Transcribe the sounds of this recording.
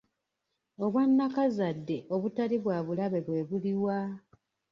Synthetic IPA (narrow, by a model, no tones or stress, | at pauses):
o̞βwanːakazadːe̞ʔo̞βutaliβwaːβulaβe̞βwe̞ːβuliwa